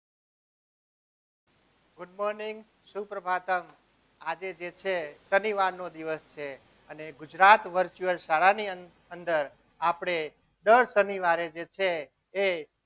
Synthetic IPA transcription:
ɡʊɖmɔɾniŋɡ | supɾəbʱat̪əm | ad͡ʒed͡ʒet͡ʃʰesəniʋaɾnod̪iʋəst͡ʃʰe | əneɡʊd͡ʒɾat̪ʋəɾt͡ʃuəlsaɭaniə | ənd̪əɾ | apɽ̃e | ɖ̪əɭsəniʋaɾed͡ʒet͡ʃʰeː

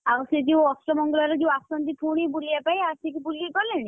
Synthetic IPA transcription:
aused͡ʒew̃ɔsɾɔmɔŋɡɔlɔɾed͡ʒeũasɔnt̪ipʰuɽ̃ebuliapajasekibuliekɔleni

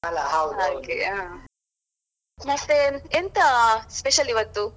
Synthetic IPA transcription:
ɐlːaɦawd̪okeaː | mɐt̪ːeent̪ɐspeʃɐliʋɐt̪ːu

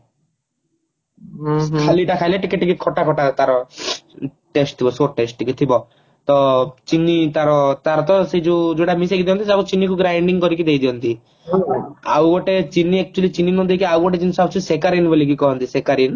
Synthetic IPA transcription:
kʰaliʈakʰajleʈikeʈikikʰɔʈakʰɔʈat̪aɾɔ | ʈesʈt̪ʰibɔsoʈesʈʈikit̪ʰibɔ | t̪ɔt͡ʃinːit̪aɾɔt̪aɾɔt̪ɔsed͡ʒud͡ʒoʈamisekid̪iɔ̃nt̪isakut͡ʃinikuɡɾajɳɖiŋkɔɾik̬id̪ejd̪iɔnt̪i | awɡɔʈet͡ʃinːiɛk̚t͡ʃulit͡ʃinːinɔd̪ejkiawɡɔʈet͡ʃinisabt͡ʃʰusekaɾinbɔlik̬ikɔɦɔnt̪isekaɾin

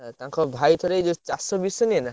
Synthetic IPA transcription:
t̪aŋkɔbʱajt̪ʰɔɾed͡ʒɔt͡ʃasɔbisɔniena

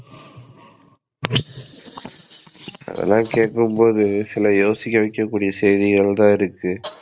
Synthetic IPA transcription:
ɐ̰ðɐ̰lːãːkeːʈkɯmpoːðɯsɪlɐjoːsɪkʲːɐʋɐɪkːɐkːuːɽɪjɐsɛjðɪɣɐɭt̪ãːɪɾɯkːɯ

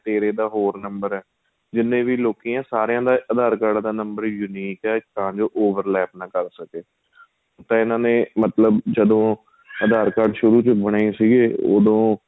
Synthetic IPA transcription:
t̪eːɾeːd̪aːɦoːɾnəmbəɾɛː | d͡ʒɪnːẽːʋiːloːkiːãːsaːɾejãːd̪aːʔəd̪aːɾkəɖd̪aːnəmbəɾjʊniːkɛːk̪əɦãːd͡ʒoːʔoːʋəɾlɛːp̚nãːkəɾsəkeː | t̪ãːɪnãːneːmət̪ləbd͡ʒəd̪õː | əd̪aːɾkəɖʃʊɾuːt͡ʃbəɽ̃aːĩsiːɡeːo̰ːd̪õː

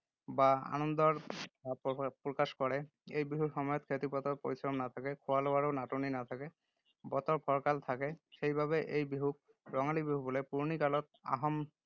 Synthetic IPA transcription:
baa̰nɔnd̪ɔɹ | pɹɔkaskɔɹɛ | ejbiɦuɹxɔmɔjɔt̪kʰet̪ipɔt̪ɔɹpoɹisɹɔmnat̪ʰakɛkʰʊwalowaɹɔnatuninat̪ʰakɛ | bɔt̪ɔɹpʰɔɹkalt̪ʰakɛxejbʱaβɛʔejbiɦuk̚ | ɹɔŋalibiɦubɔlɛpuɹnikalɔt̪̚a̰ɦɔm

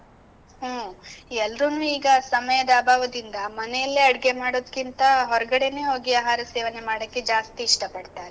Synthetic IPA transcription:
ɦoːɛlɾunuːiːɡɐsɐmɐjɐd̪aːbʱaːʋɐd̪ind̪ɐmɐnejɐlːiɐɽɡe̞maːɽoːd̪kːint̪ɐɦɔɾɐɡɐɽene̞ːɦo̞ːɡiaːɦaːɾɐseːʋɐnemaːɽɐkːed͡ʒaːst̪iːʂʈɐpɐɽt̪aːɾe

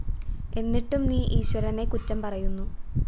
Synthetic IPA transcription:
e̞nːiʈːumniːʔiːɕwɐɾɐne̞kutːɐmpɐrɐjunːu

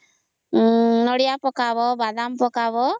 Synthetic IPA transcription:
nɔɽijapɔkaβɔbad̪ampɔkabɔ

